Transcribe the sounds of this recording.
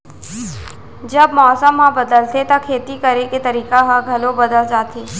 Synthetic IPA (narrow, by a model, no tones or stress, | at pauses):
d͡ʒəbmɔːsəmːãbəd̪əlt̪ʰet̪akʰeːt̪ikəɾeket̪əɾiːkaɦãɡʱɐlobəd̪əld͡ʒaːt̪ʰeː